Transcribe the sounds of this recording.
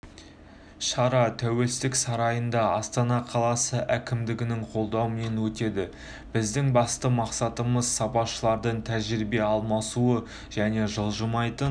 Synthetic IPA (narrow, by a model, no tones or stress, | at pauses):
ʃɑɾɑt̪ʰæwe̞lsɪt̪ɪksɑɾɑjənd̪ɑɑst̪ɑnɑqʰɑlˠɑsəʔækʲɪmd̪ɪɡʲɪnɪŋqʰo̞lˠd̪ɑwəme̞nwɵt̪e̞d̪ɪ | b̥ɪzd̪ɪŋbɑst̪əmɑqsɑt̪əməzsɑpɑʃəlˠɑɾd̪əɴt̪ʰæʒɪɾɪbe̞ɑlˠmɑsuə | ʒ̥æne̞ʒəlˠʒəmɑjt̪ən